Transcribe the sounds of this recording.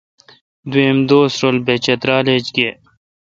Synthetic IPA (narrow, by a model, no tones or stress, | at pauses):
d̪uẽːmd̪oːsɾolbet͡ɕet̪ɾaːled͡ʑɡeː